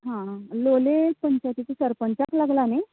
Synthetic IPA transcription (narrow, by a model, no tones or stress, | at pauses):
ɦãlolepəɲt͡ɕat̪it̪usəɾpənt͡saklaɡlane